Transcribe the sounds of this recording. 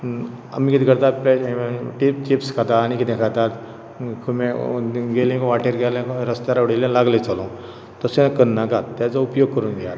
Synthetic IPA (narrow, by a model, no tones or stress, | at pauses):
a̰miːkit̪ikəɾt̪aplɛʈipt͡ɕipskʰat̪aːñikit̪ẽkʰat̪at̪ | kʰumẽɡelẽkʋaʈeɾɡɛlẽɾəst̪aɾaʋɽilẽlaɡlet͡salõ | t̪əsenakənnakat̪t̪ːjat͡saupjoɡ̚kəɾuːnɡjat̪